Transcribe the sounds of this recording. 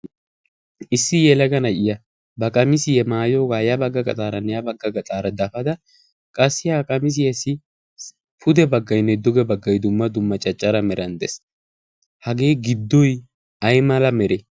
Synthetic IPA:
ʔɪsːɪjɛlɐɡɐnɐjɪjɐ | bɐkʼɐmɪsɪjɛmaːjo̞ːɡaːjɐbɐɡːɐkʼɐ̰t̪ʼaːɾɐnːɛjɐbɐɡːɐɡɐt̪ʼaːɾɐd̪ɐfɐd̪ɐ | kʼɐsːɪjaːkʼɐmɪs̬ɪjɛsɪ | pʰʊd̪ɛbɐɡːɐjnːɛd̪ʊɡɛbɐɡːɐjd̪ʊmːɐd̪ʊmːɐt͡ʃʼɐt͡ʃʼːɐɾɐmɛɾɐnd̪ɛs | hɐɡe̞ːɡɪd̪ːɔj | ɐjmɐlɐmɛɾɛ

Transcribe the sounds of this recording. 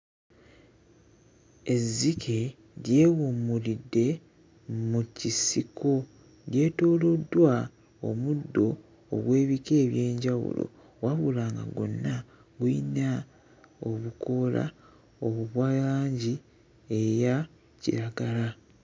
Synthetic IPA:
e̞zːikʰe̞ | ɾje̞ːwomulidːe̞ | mucisikʰo̞ | ɾje̞ːto̞ːlo̞dːwa | o̞̰mudːo̞̰ː | ɡwe̞ːβike̞ːβje̞ːɲɟawṵlo̰ | waβulaːŋɡa̰ɡo̞̰nːa | ɡwina | o̞βukʰo̞la̰ | o̞βuβwajaːɲɟi | eja | cḭɾaɡala

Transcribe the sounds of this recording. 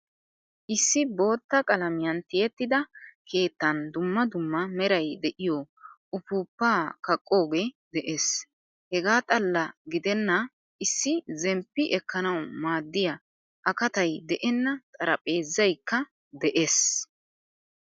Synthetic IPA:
ʔɪsːɪbo̞ːt̪ːɐkʼɐlɐmɪjɐnt̪ɪjɛt̪ːɪd̪ɐke̞ːt̪ːɐnd̪ʊmːɐd̪ʊmːɐmɛɾɐjd̪ɛʔɪjoʔʊpuːpːaːkɐkʼːo̞ːɡed̪ɛʔes | hɛɡaːt̪ʼɐlːɐɡɪd̪ɛnːɐ | ʔɪsːɪzɛmpːɪʔɛkːɐnɐwmaːd̪ːɪjɐ | ʔɐkɐt̪ɐjd̪ɛʔɛnːɐt̪ʼɐɾɐpʼe̞ːzːɐjkːɐ | d̪ɛʔes

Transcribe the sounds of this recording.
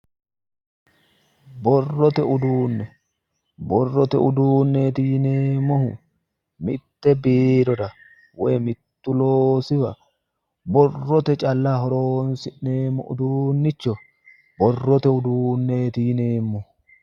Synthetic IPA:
bɔrːɔt̪ɛʊd̪uːnːɛ | bɔrːɔt̪ɛʊd̪uːnːeːt̪ɪɪneːmːɔhʊ | mɪ̰t̪ːɛbeːɾɔd̪ɐ | wɔjmɪt̪ːʊloːsɪbɐ | bɔrːɔt̪ɛt͡ʃʼɐlːaɦɔɾoːnsɪʔneːmːɔ̰ʔʊd̪uːnːɪt͡ʃːɔ | bɔrːɔt̪ɛʊd̪uːnːe̞ːt̪ɪjneːmːɔhʊ

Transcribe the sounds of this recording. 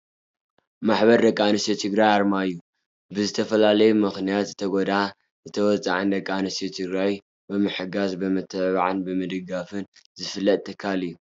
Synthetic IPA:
maħβɐɾd̪ɐkʼanɨsot̪ʰɨɡɾajaɾmaɨjːu | bɨzɨt̪ʰɐfɐlalɐjumɨxnijat̪zɨt̪ʰɐɡod̪a | zɨt̪ʰɐwɔt͡sʼa̰ʕɨnd̪ɐkʼːanɨsot̪ʰɨɡɾaj | bɨmɨħɨɡazbɨmɨt̪ʰːɨʕβaʕɨnbɨmɨd̪ɨɡafɨnzɨfɨlːɐt̪̚ʼʰːɨkʰːalɨjːu

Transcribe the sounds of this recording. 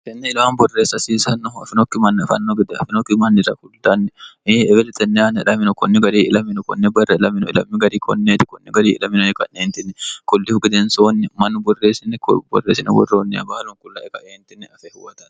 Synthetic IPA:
kɛnːɛɪlaːnbɔreːsːɐsiːsɐnːɔɐ̰fɪnɔkːɪmɐnːɐfɐ̰nːoɡɪd̪ɛɐ̰fɪnɔkːɪmɐnːɪɾɐ̰kʊld̪anːɛeɛbɛlɛt̪ɛnːɛɐnɐɪlɐmɪnʊkɔnːɪɡɐɾiːʔɪlɐmɪnʊkɔ̰nːɛbɐrːɐɪlɐmɪnʊɪ̰lɐmːɪɡɐɾiːkɔ̰nːeːt̪ɪkɔnːɪɡɐɾiːʔɪ̰lɐmɪnʊɛkɐneːnt̪ɪnːɛkʊlːɪfɡɪd̪ɛnsoːnːɪmɐnːʊbɔrːeːsɪnːɛkbɔ̰rːeːsɪnɛ̰wɔ̰rːoːnːɛɐ̰baːlʊŋkʊlːaːʔɛkɐ̰ʔeːnt̪ɪnːɛɐfɛhʊwɐt̪ɐn

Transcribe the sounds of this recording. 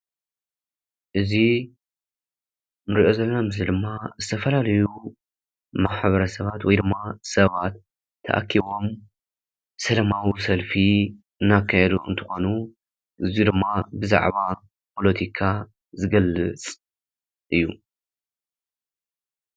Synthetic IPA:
ʔɨzi | mɨɾiʔo̞zɐlːomɨzid̪ɨmːazɨt̪ʰɐfɐlalɐju | maħβɐɾɐsɐβat̪wɔjd̪ɨmːasɐβat̪ʰː | ɐ̰ʔa̰kʰːiβo̞m | sɐlɐmawisɐlfi | ɨnːakʰːajɛd̪uɨ̰nt̪ʰɨxo̞nu | ʔɨzijud̪ɨmːabɨza̰ʕβa | pʰo̞lot̪ʰikʰa | zɨɡɐlːɨ̰t͡sʼ | ʔɨjːu

